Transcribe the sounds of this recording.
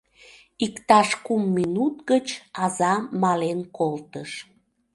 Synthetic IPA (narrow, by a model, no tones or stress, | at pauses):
ikt̪ɑʃkumːinut̪ɡət͡ɕɑzɑmɑlenkolt̪əʃ